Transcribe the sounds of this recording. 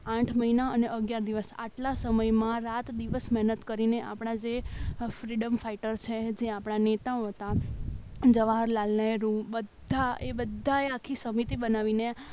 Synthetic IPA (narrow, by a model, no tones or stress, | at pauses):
ãʈʰməɦinaəneʔəɡjaɾd̪iʋəsa̰ʈlasəməjmãɾat̪d̪iʋəsmɛɦnət̪kəɾineʔa̰pɳ̃ad͡ʒefɾiɖəmfaiʈəɾt͡ʃʰed͡ʒeapɽanet̪aoɦət̪a | d͡ʒəʋaɦɾlalnəjɾũbəd̪ʱaʔebəd̪ʱːaeakʰːisəmit̪ibənaʋine